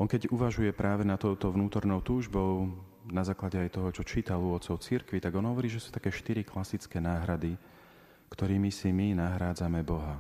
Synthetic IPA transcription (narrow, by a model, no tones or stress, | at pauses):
ʔɔŋkɛɟuʋaʒujɛpɾaːʋɛnat̪ɔʊt̪ɔʋnuːt̪ɔɾnɔʊt̪uːʒbɔʊ | nazaːklaɟɛajt̪ɔɦɔt͡ʃɔt͡ʃiːt̪aluʋɔt̪t͡sɔʊt͡siɾkʋit̪aɡɔnɦɔʋɔɾiːʒɛsuːt̪ḁkɛːʃt̪iɾiklasit͡skɛːnaːɦɾad̪i | kt̪ɔɾiːmisiminaɦɾaːd͡zamɛbɔɦa